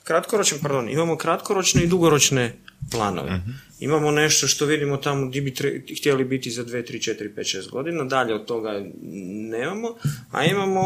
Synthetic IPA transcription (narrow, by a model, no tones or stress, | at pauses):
kɾat̪koɾot͡ʃnpaɾd̪o̞nḭmamo̞kɾat̪koɾo̞t͡ʃne̞id̪uɡoɾo̞t͡ʃneplˠa̰ːno̰ʋeḛ | ḭmamo̞ne̞ʃt̪o̞ʃt̪o̞ʋid̪imot̪amod̪ibit̪ɾxt̪jelibit̪izad̪ʋet̪ɾit͡ʃet̪iɾipet̪ʃeːst̪̚ɡo̞d̪inad̪aʎeod̪̚t̪o̞ɡa | neːmamo̞a̰imamo̞